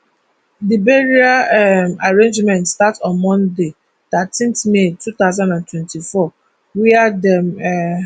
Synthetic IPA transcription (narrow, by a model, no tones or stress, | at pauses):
dibeɹiaɛmaɹẽnd͡ʒmɛ̃ntstatɔ̃nmɔ̃nde | t̪atʰĩntmetut̪aʊzãndãntʰwɛ̃ntʰifɔ | wiadɛmɛ